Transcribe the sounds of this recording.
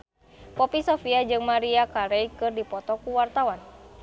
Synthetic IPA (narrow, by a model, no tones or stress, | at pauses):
pɔpisɔfiad͡ʒɨŋmaɾiakaɾejkɨrdipɔt̪ɔkuwart̪awan